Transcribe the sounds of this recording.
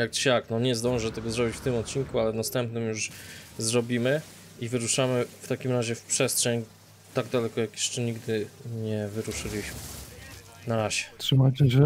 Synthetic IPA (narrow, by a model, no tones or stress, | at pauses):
jak̚ɕaknɔɲɛzd̪ɔ̃w̃ʐɛt̪ɛɡɔzɾɔbʲit͡ɕft̪ɘmɔt̪̚t͡ɕinkualɛnast̪ɛmpnɘmjuʂzɾɔbʲimɘ | ivɘɾuʂamɘft̪akʲimɾaʑɛfpʂɛstʂɛɲ | t̪aɡd̪alɛkɔjakjɛ̥ʂt͡ʂɛɲiɡd̪ɘɲɛvɘɾuʂɘlʲiɕmɘ | naɾaʑɛt̪ʂɨmat͡ɕɛɕɛ